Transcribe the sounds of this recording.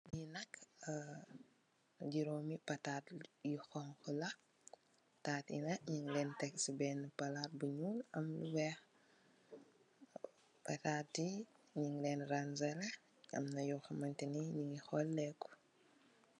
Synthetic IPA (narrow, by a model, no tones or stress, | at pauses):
inɐkː | ɟiɾomipɐtatjixɔŋkulɐ | taːtḭnɐɲiŋlɛːntɛksibɛnpɐlat̚buɲulɐ̰mlṵwɛx | pɐtaːtːiɲiŋlɛːnranzɛlɐ | ɐ̰mnɐjɔxɐmɐntiniɲiŋixɔlːɛku̥